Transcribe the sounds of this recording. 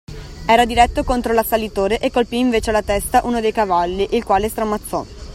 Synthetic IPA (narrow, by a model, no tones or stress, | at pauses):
ɛːɾad̪iɾɛt̪ːokont̪ɾolasːalːit̪oːɾeʔekːolpiːɱveːt͡ʃealːat̪ɛst̪aʔuːnod̪ejkavalːiʔilkwaːlest̪ɾamat̪sːɔ̰